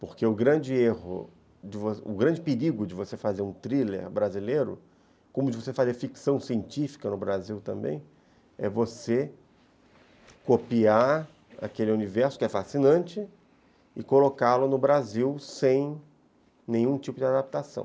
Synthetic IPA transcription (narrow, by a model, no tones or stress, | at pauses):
poɾkeʊɡɾɐ̃d͡ʒɪehʊ̰ | d͡ʒɪvosʊ̰ɡɾɐ̃nd͡ʒɪpɪɾiɡʊd͡ʒɪvosefazeɾũt̪ɾilḛɾbɾazileɾʊ̰ | kõmʊd͡ʒɪvos̬efazeɾfiksɐ̃w̃siẽnt͡ʃifi̥kɐnʊbɾaziwt̪ɐ̃mbḛ̃j̃ | ɛ̰vose | kopiaɾ | a̰kelɪunivɛɾsʊ̥kɪɛfasinɐ̃t͡ʃɪ | ɪkolokalʊnʊbɾaziwsẽj̃ | nẽj̃ũt͡ʃipʊd͡ʒɪad̪ap̚t̪asɐ̰̃w̃